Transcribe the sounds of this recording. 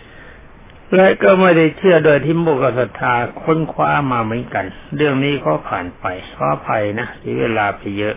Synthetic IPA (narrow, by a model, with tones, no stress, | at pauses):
lɛ˦˥kɔː˥˩ma˥˩jda˥˩jt͡ɕʰɯ˥˩ədoː˧˩jt̪ʰiː˧˥˩moː˧˩ka˧˩sa˨˧˩t̪ʰːaː˧kʰo˧˥˨nkʰwaː˦˧˥maː˧mɯ˩˦ənka˧nɾɯ˥˩əŋniː˦˥˩kʰɔː˦˧˥pʰa̰ː˨˩npa˧jkʰɔː˧˥˩pʰa˧jna˦˥siː˨˦weː˧laː˧pa˧jːɤ˦˥ʔ